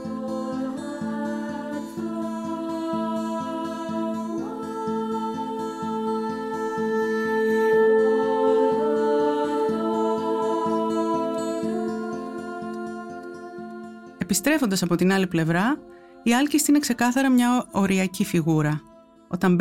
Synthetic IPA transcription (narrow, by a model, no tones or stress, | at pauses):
e̞pist̪ɾe̞fo̞nd̪ɐsɐpo̞t̪inɐliple̞vɾɐ | iɐlcist̪ine̞kse̞kɐθɐɾɐmɲɐo̞ɾiɐcifiɣuɾɐ | o̞̰t̪ɐmb